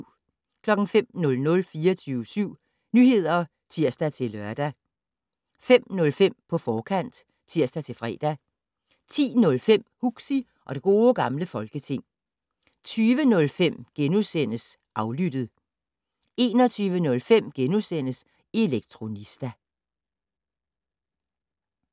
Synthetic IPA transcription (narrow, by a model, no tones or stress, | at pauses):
kʰlɒ̽ɡ̥n̩fem̰nɔ̽lnɔ̽lfiːɐɒt͡sʰyːʊəsyʊ̰ | nyhe̝ð̞̰ˠɐ | t͡sʰiɐ̰sd̥æt͡sʰe̝lɶɐd̥æ | fem̰nɔ̽lfem̰pʰɒ̽fɒːkʰæn̰d̥ | t͡sʰiɐ̰sd̥æt͡sʰe̝lfʁɛ̰ːd̥æ | t͡sʰḭːnɔ̽lfem̰huɡ̥si | ʔɒ̽d̥e̝ɡ̥o̝ːɡ̥ɑ̈mləfɒ̽lɡ̥ət͡sʰe̝ŋ̰ | t͡sʰyːʋənɔ̽lfem̰ɡ̥enusen̰əs | ʔɑ̈ʊlyd̥ð̞̩ˠ | e̝ːnɒ̽t͡sʰyːʋənɔ̽lfem̰ɡ̥enusen̰əs | e̝leɡ̥̚t͡sʰʁo̝nisd̥æ